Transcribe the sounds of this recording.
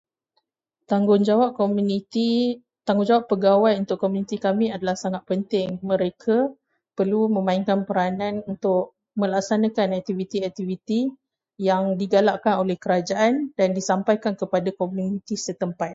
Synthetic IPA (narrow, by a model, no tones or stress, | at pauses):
t̪aŋɡʊnd͡ʒawap̚komuit̪i | t̪aŋɡʊɲd͡ʒawapːəɡawajunt̪ʊkːomunit̪ikamiadalahsaŋat̪̚pənt̪ɪŋmə̃ɾekʰa | pərlumə̃mãiŋkanpəɾanãnunt̪ʊk̚ | mə̃lak̚sanakanɛk̚t̪ivit̪iɛk̚t̪ivit̪i | jaŋdiɡalaʔkanolɛhkəɾad͡ʒaʔandandisampajkankəpadakomjunit̪isət̪əmpat̪̚